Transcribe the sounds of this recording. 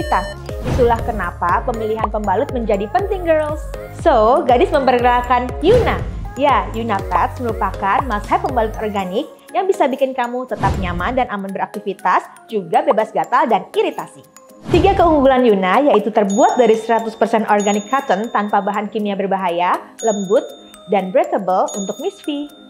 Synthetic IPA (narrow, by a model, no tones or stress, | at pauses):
it̪as | disulahkənapapəmiliɦanpəmbalʊt̪̚məɲd͡ʒadipənt̪ɪŋɡərlsː | oɡadɪsməmpərkənakanjunajajunat̪ɛksməɾupakanmashapːəmbalʊt̪ɔrɡanɪk̚ | jaŋbisabikɪnkamut̪ət̪ap̚ɲamandanʔamanbəɾak̚t̪ifit̪as | d͡ʒuɡabebasɡat̪aldaniɾit̪asi | t̪iɡakəuŋɡulanjunajait̪ut̪ərbuat̪̚daɾisəɾat̪ʊspərsɛnʔɔrɡanɪkʰːat̪ənt̪anpabaɦankimiabərbaɦajaləmbʊt̪̚ | danbɾɛt̪əbəlunt̪ʊk̚misfi